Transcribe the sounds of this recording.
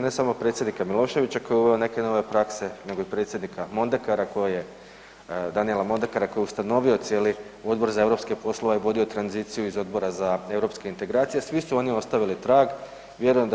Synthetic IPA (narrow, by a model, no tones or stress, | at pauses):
ne̞samopɾe̞t̪sʲjed̪nikamilˠo̞ːʃe̞ʋit͡ɕakojeuʋe̞one̞ke̞no̞ːʋe̞pɾakse̞ne̞ɡo̞ipɾe̞t̪sje̞d̪nikʰamo̞nd̪ekaɾako̞jeje | d̪anielamo̞nd̪ekaɾakojust̪ano̞ʋio̞t̪sje̞ːlio̞d̪bo̞ɾzae̞ʋɾo̞pskipo̞slˠo̞ʋaiʋo̞d̪io̞t̪ɾanzit̪sijuizo̞d̪̚bo̞ɾazae̞vɾo̞pskeint̪e̞ɡɾaːt̪sijesʋisuo̞nio̞st̪aʋilit̪ɾaːɡ | ʋjeɾujemd̪